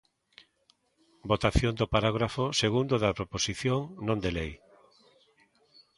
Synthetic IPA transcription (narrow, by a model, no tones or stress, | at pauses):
bot̪aθjond̪ʊpaɾaɣ̞ɾafoseɣund̪oðapɾoposiθjoŋnõnd̪elej